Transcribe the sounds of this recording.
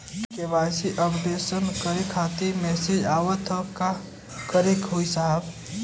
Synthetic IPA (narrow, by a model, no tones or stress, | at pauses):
keʋaːsiʔəbd̪esənkəɾikʰaːt̪imɛːsid͡ʒaːwət̪ʰəka | kəɾekɦoisaɦəb